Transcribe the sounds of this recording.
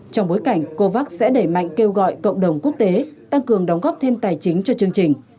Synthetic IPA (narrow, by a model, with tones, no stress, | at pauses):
t͡ɕɔ˧wŋ͡mɓo˨˦jka˧˩jŋ̟ko˧vaː˦˥k̚sɛ̰˧˥ɗe˧˩ma̰˧˨jŋ̟ke˧wɣɔ̰˧˨jkə̰˧˨wŋ͡mɗə˨˩wŋ͡mku˦˥ək̚t̪e˨˦t̪a˧ŋkɨ˨˩əŋɗə˨˦wŋ͡mɣɔː˦˥p̚t̪ʰe˧mt̪aː˨˩jt͡ɕï˨˦ŋ̟t͡ɕɔ˧t͡ɕɨ˧əŋt͡ɕï˨˩ŋ̟